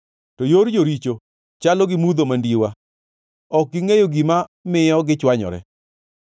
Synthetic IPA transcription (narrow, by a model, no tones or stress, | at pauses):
tɔjoɾd͡ʒoɾit͡ʃo | t͡ʃalɔɡɪmud̪omandiwa | ɔk̚ɡiŋejoɡimamɪjɔɡɪt͡ʃwaɲɔ̰ɾɛ̰